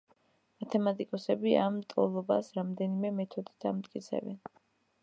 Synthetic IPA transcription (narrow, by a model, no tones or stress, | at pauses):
mat̪ʰɛmat̪ʼikʼɔsɛbiamt̪ʼɔ̰lˠɔbasɾamd̪ɛnimɛmɛt̪ʰɔd̪i̥t̪ʰamt̪ʼkʼit̪sʰɛ̰vɛ̰n